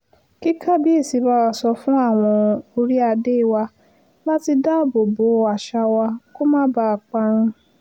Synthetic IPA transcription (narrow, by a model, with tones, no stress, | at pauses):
ki˦kʰa˦bi˦e˦˨si˨˧ba˦wa˧sɔ˧fũ˦a˦˨w̃ɔ̃˧o˧ɾi˦a˧de˦˨wa˧ | la˦ti˧da˦˨bo˨bo˨˦˨a˨ʃa˧wa˧ko˦mãː˦ba˦a˨k͡pa˧ɾ̃ĩ˧